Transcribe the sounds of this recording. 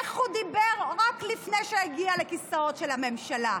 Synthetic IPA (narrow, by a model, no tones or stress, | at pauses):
χhud̪ibeʁʁaklifnejʃeeɡialekisaotʃelhame̞mʃala